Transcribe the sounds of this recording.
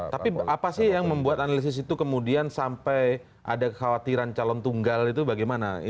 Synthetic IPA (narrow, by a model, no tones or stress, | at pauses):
t̪apiapasɪhjaŋməmbuat̪analis̬ɪs̬it̪ukəmudiansampɛj | ʔa̰dakəkawat̪iɾant͡ʃalɔnt̪uŋɡalit̪ubaɡɛjmana̰ḭ